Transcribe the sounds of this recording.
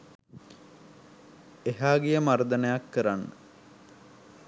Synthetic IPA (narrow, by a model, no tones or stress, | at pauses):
eɦaːɡijəmaɾd̪ənəjakːəɾanːə̰